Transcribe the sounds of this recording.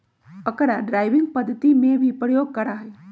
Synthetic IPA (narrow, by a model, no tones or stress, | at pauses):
əkəɾaɖɾaːɪʋɪ̃ŋɡpəd̪ʱːət̪imẽbʱipɾəjoɡ̚kəɾaɦə